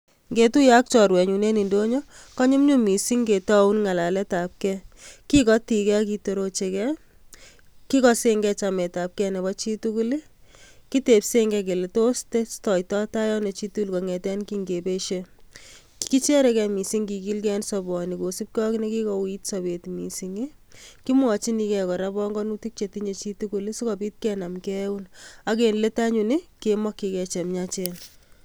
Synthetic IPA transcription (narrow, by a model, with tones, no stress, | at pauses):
ŋɡe˨tu˦ja˦k̚t͡ʃɔ˨ɾwɛ˨ɲu˨ne˦ni˨ndo˦ɲo˦ | kɔ˦ɲu˦mɲu˦mi˨si˦ŋɡe˨tɔ˦unŋa˨la˨lɛ˦ta˨p̚kɛki˦kɔ˦ti˨kɛ˦ki˧to˨ɾo˦t͡ʃe˨kɛ˦ | ki˦kɔ˦se˦ŋɡɛ˦t͡ʃa˨mɛ˨ta˨p̚kɛ˦nɛ˨bɔt͡ʃi˦tu˦ku˦li˦ | ki˦te˨pse˦ŋɡɛ˧k̬e˨le˨to˦stestɔ˨jtɔ˦ta˦jɔ˦ne˨t͡ʃi˦tu˦lkɔ˨ŋɛ˨tɛ˦nki˦ŋɡe˨pe˦ʃe | ki˦t͡ʃɛ˦ɾɛ˦kɛ˨mi˨si˦ŋki˨ki˦lkɛ˦nsɔbɔ˨ni˨ko˨si˦p̚kɔ˦kineki˦kɔwi˦tsabe˨tmi˨si˨ŋi˦ki˦mwɔ˨t͡ʃi˦ni˨kɛkɔ˨ɾa˦bɔ˦ŋɡɔ˦nu˦ti˦k̚t͡ʃe˨tiɲe˨t͡ʃi˦tu˦ku˨li˦si˦kɔ˨pi˦t̚kɛna˨mkɛ˦wuna˦k̬e˨nle˦ta˦ɲu˨ni˦kemɔ˦kːi˨kɛ˨t͡ʃe˨mɲat͡ʃen